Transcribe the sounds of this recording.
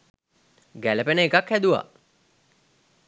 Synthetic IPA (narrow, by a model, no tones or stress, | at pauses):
ɡæləpenəekakhæd̪uʋa̰